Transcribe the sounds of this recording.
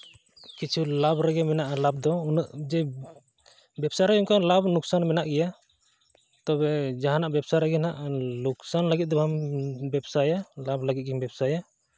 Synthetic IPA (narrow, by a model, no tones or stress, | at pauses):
kit͡ʃʰulabɾɛɡɛmɛnaʔalab̚d̪ɔunəʔd͡ʒɛ | bɛbsaɾaunkalabnuksanmɛnaʔɡɛja | t̪ɔbɛd͡ʒaɦanaʔbɛbsaɾaɡɛnaʔluksanləɡit̪̚d̪ɔbambɛbsajalabləɡit̪̚ɡɛmbɛbsaja